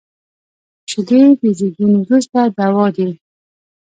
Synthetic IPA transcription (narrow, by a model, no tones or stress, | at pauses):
ʃleb̪ezeɡinwɾust̪ad̪awɔd̪i